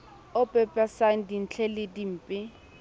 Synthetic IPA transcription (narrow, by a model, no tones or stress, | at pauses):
ʊpʼɛpʼɛsaŋ̩din̩t͡ɬʰɛlɪdim̩ːpʼɪ